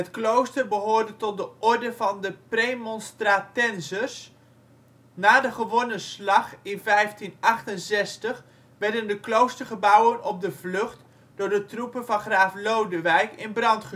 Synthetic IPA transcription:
ɦətklowstərbəɦʊːɹdətɔt̚dəʔɔɹdəvɑndəprejmɔnstratɛnzərs | naːdəχəʋɔnəslɑχɪnvɛjftinɑχtənzɛstəχ | ʋɛɹdəndəklowstəɹχəbʌwənɔb̚dəvlɵχt | dʊːɹdətrupənvɑnχraːflowdəʋɛjkɪnbrɑntχə

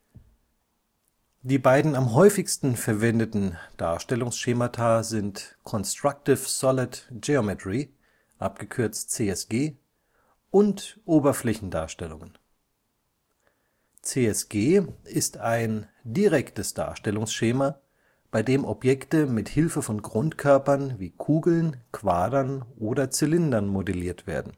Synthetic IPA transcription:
d̥iːbaɪdn̩amɦɔʏfɪçstn̩fɛɐvɛndətn̩d̥a̰ːɐʃtɛlʊŋsʃeːmatʰaːzɪntkʰɔnstʁ̥ak̚tɪfsɔlɪtd͡ʒeomɛtʁ̥i | ʔap̚ɡ̥əkʰʏɐt͡st͡seːɛsɡ̥eː | ʔʊntʔoːbɐflɛçn̩da̰ːɐʃtɛlʊŋən | t͡seːɛsɡ̥eːɪstaɪndiʁɛktəsd̥a̰ːɐʃtɛlʊŋsʃeːma | b̥aɪdeːmʔɔpjɛktəmɪthɪlfəfɔnɡʁʊntkʰœɐpɐnviːkʰuːɡl̩nkv̥aːdɐnʔoːdɐt͡sɪlɪndɐnmodɛliːɐtv̥ḛːɐdn̩

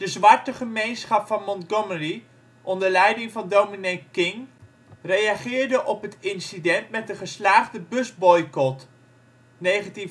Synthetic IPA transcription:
d̥əzʋaɹtəχəmejnsχɑpfɑnmɔntɡɔməri | ʔɔndəɹlɛjdɪŋvɑndowminekkɪŋ | rejaχɪːɹdəʔɔpɦətɪnsidɛntmɛt̚dəχəslaːχdəbɵzbɔjkɔt | nejχənti

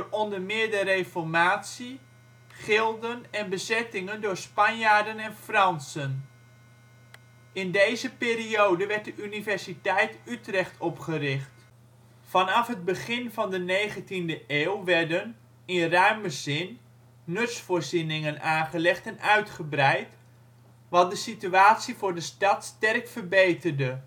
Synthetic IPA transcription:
ɔndəɹmɪːɹdərejfɔɹmaːtsi | χɪlˠdənɛnbəzɛtɪŋəndʊːɹspɑnjaːɹdənɛnfrɑnsən | ɪndejzəpɪːriowdəʋɛɹt̚dəʔynivɛɹsitɛjtytrɛχtʰɔpχərɪχt | fɑnɑfɦəd̚bəχɪnvɑndənejχəntindəʔeːwlˠʋɛrdən | ɪnrœɥmbəzɪnː | ɵtsfʊːɹzinɪŋənaːnχəlɛχtɛnʔœɥtχəbrɛjt | ʋɑt̚dəsityaːtsivʊːɹdəstɑtstɛrkfərbejtərdə

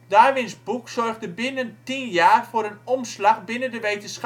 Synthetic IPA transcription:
daːʋɪnsbuksɔrɣdəbɪnəntinjaːrfʊːɾənɔmslaχbɪnəndəʋejtəns

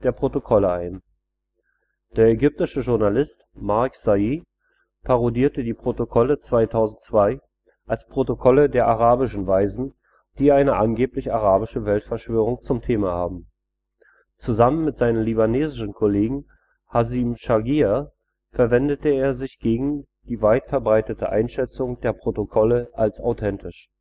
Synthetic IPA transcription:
d̥eːɐpʁ̥otokʰɔləaɪn | d̥eːɐɛɡʏp̚tɪʃəʒʊɐnalɪstmaɐkz̥aiː | pʰaʁodiːɐtədiːpʁ̥otokʰɔlət͡sv̥aɪtʰaʊzn̩tt͡sv̥aɪ | ʔalspʁ̥otokʰɔlədeːɐʔaʁaːbɪʃn̩vaɪzn̩ | d̥iːʔaɪnəʔanɡeːplɪçaʁ̞aːbɪʃəvɛltfɛɐʃv̥øːʁ̞ʊŋt͡sʊmtʰeːmahaːbm̩ | t͡suzamənmɪtz̥aɪnənlibaneːzɪʃn̩kʰoleːɡŋ̩ | hazimʃaɡia | fɛɐvɛndətəeːɐzɪçɡ̥eːɡŋ̩ | d̥iːvaɪtfɛɐbʁaɪtətʰə̰ʔa̰ɪnʃɛt͡sʊŋd̥eːɐpʁ̥otokʰɔləʔalsa̰ʊtʰɛntʰɪʃ

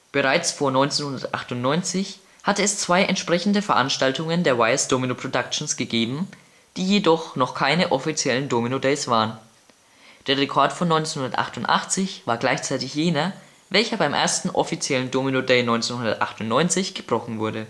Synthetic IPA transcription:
b̥əʁaɪt͡sfoːɐnɔʏnt͡senhʊndɐtʔa̰χtʊntnɔʏnt͡sɪç | hatəɛst͡sv̥aɪʔɛ̰ntʃpʁ̥ɛçn̩dəfɛɐʔanʃtaltʊŋəndeːɐwaɪəsd̥oːminopʰʁ̥odakt͡ʃn̩sɡ̥əɡeːbm̩ | d̥iːjedɔχnɔχkʰaɪnəʔɔfit͡sjɛləndoːminodɛɪsv̥aːʁən | d̥eːɐʁekʰɔɐtfɔnːɔʏnt͡senhʊndɐtʔa̰χtʊntʔa̰χt͡sɪçvaːɐɡlaɪçt͡saɪtɪçjeːnɐ | vɛlçɐbaɪmʔḛːɐstn̩ʔɔ̰fit͡sjɛləndoːminodeɪnɔʏnt͡senhʊndɐtʔa̰χtʊntnɔʏnt͡sɪçɡ̥əb̥ʁɔχn̩vʊɐdə

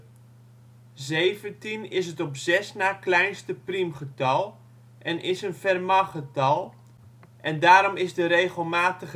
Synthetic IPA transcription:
zejvəntinɪsətɔpz̥ɛsnaːklɛjnstəprimχətɑlˠ | ʔɛnʔɪsənfɛrmɑχətɑlˠ | ʔɛndaːɾɔmɪzdərejɣəlˠmaːtəɣ

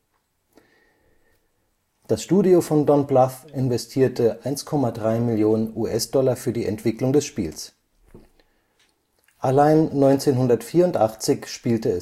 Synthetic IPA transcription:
d̥asʃtuːdiofɔndɔnblaθʔɪnvɛstʰiːɐtʰəʔaɪnskʰɔmadʁaɪmɪljoːnənuːʔɛsd̥ɔlafyːɐdiːʔɛ̰ntv̥ɪklʊŋdɛsʃpḭːls | ʔalaɪnːɔʏnt͡seːnɦʊndɐtfiːɐʊntʔaχt͡sɪçʃpiːltəɛ

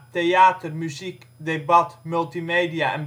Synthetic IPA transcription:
teaːtərmyzik | debɑtmylˠtimeːdiaɛ̰n

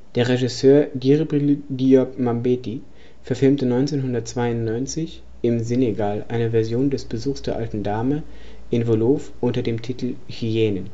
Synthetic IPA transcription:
d̥eːɐʁeʒɪsøːɐdiʁibʁildiɔkmambeːti | fɛɐfɪlmtənɔʏnt͡seːnɦʊndɐt̚t͡sv̥aɪʊntnɔʏnt͡sɪç | ɪmzeneɡaːlʔa̰ɪnəvɛɐzjoːndɛsb̥əzuːxsd̥eːɐʔaltn̩daːmə | ʔɪnvoloːfʔʊntɐdeːmtʰitl̩çieːnən

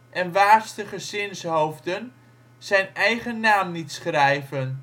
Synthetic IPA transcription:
ʔɛnʋaːrstəχəsɪnshowvdən | sɛjnɛjχənːaːmnitsχrɛjvən

